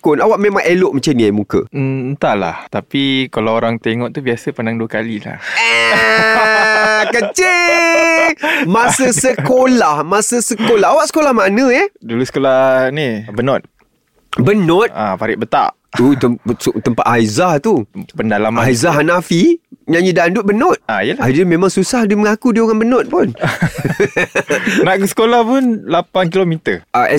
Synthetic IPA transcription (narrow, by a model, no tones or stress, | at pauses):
kʊnawaʔmẽmãŋʔeloʔmat͡ʃamnĩamukə̰ənt̪ala̰ht̪apikalaoɾaŋt̪ɛŋɔʔt̪ubiasəpanaŋduəkalila̰h | kət͡ʃɪ | mãsəsəkolahmasəsəkolaɦawaʔsə̥kolahmanə̃ɛdulusə̥kolahnibənɔt̪̚ | bənɔt̪apaɾɪʔ̚bət̪a̰ʔ | ut̪əst̪əmpaʔ̪aizaht̪upəndalamaaizaɦanafiɲãɲidandʊʔ̚bənɔt̪̚a̰ijəlaadəmẽmãŋsusahdiməŋakudioŋanbənɔt̪̚pʊn | naʔkusə̥kolahpʊnlapankilomit̪əaʔɛ